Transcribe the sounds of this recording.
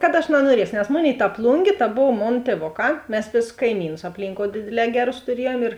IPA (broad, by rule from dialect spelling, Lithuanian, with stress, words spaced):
kɐt ɐʃ nɐnuɔˈrʲiɛsoː nʲɛs ˈmoːˌnʲeːɪ tɐ ˈplˠʊŋʲɡʲeː tɐ ˈboːw ˈmoːn tʲiɛˈʋoːˌkɑː ˈmʲɛs ˈʋʲeːsʊs kɐɪˈmʲiːnʊs ɐpʲˈlʲiːŋkoːʊ ˈdʲeːdʲeːˌlʲɛː ˈɡʲæːˌrʊs tʊˈrʲiɛjuɔm ɪr